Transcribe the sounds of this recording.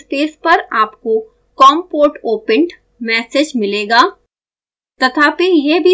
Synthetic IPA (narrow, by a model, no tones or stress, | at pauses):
speːspɐɾaːpko | kɔːmpoːʈoːpə̃ɳʈ | mɛːseːd͡ʒmɪleːɡaː | t̪ɐt̪ʰaːpejebʱi